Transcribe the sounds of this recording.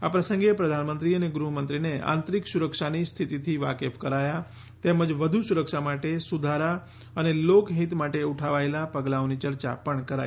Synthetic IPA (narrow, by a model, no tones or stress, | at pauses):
apɾəsə̃ŋɡepɾəd̪ʱanmənt̪ɾiəneɡɾuɦəmənt̪ɾineã̰nt̪ɾiksuɾəkʃanist̪ʰit̪it̪ʰiʋa̰kefkəɾaja | t̪eməd͡ʒʋəd̪ʱusuɾəkʃamaʈesud̪ʱaɾa | ənelokɦit̪maʈeuʈʰaʋaelapəɡlaonit͡ʃəɾt͡ʃa̰pəɳkəɾa̰j